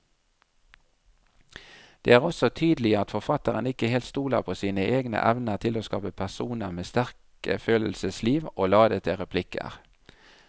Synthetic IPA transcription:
d̪̥ḛːæːʁɔsɔt̪ʰyːd̪lɪəɑt̪fɔʁfɑt̪əʁənɪkəheːlt̪st̪uːlə̰ʁpʰoːsiːnəʔeːɡnə̰ʔæʋnəʁt̪ʰɪloːskɑ̰ːpəpʰæʁsuːnəʁmeːst̪æʁk | ə̰føːləl̩səsliːʋoːlɑːd̪ət̪ʰɪʁɛpʰlɪkə̰ʁ

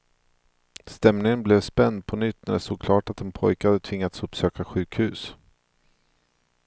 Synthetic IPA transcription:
st̪ɛmnɪŋənblɛvspɛnd̪̚pʰɔnʏt̪ːnæɖɛsoːɡkʰlɑːʈat̪̚ːɛnpʰɔjkəhad̪ːət̪ʰvɪŋːat̪sɵpsøːkaɧʉ̟ːkhʉ̟ːs

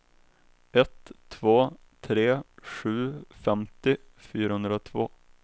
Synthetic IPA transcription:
ʔɛt̪ʰːvoː | t̪ʰɾeːɧʉ̟ːfɛmt̪ɪfyːɾahɵnd̪ɾaot̪ʰvo̰ː

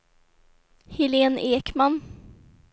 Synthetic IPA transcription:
hɪleːneːkman

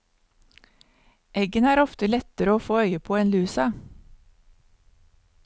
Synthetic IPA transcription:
ʔɛɡənæːɾɔft̪əlɛt̪əɾəoːfoːœʏəpʰoːeːnlʉːsɑ

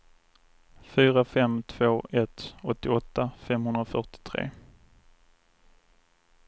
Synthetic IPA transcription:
fyːɾafɛmt̪ʰvoːʔɛt̪ɔt̪ːɪɔt̪ːafɛmɦɵnd̪ɾafœʈɪ̥t̪ʰɾḛː

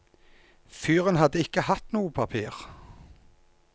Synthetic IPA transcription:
fyːʁənhɑd̪əɪkəhɑt̪nuːəpʰɑpʰiːʁ

